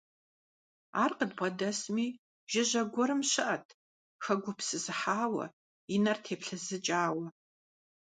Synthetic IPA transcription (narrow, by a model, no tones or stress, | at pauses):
aːrqədbɐdɐsmiː | ʒ̥ɪʑɐɡʷɔɾɨmɕɪʔɐtʰ | xɐɡʷʊpsɨzɨħaːwɐ̰ | inɐrtʰeːpɬɨzɨt͡ʃʼaːwɐ